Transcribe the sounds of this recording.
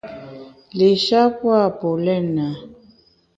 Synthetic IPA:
lɪ˨ʃa˦pwa˦˨pʊ˨lɛ˦na˨

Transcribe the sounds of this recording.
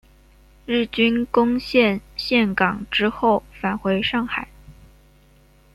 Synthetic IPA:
ɻ̩˥˩t͡ɕy˥nkʊ˥ŋɕjɛ˥˧nɕjɛ˥˩nkɑ˨˩ŋʈ͡ʂɻ̩˥xo˥˩ʊfa˨˩nxwe˧˥ɪʂɑ˥˩ŋxa˨˩˦ɪ

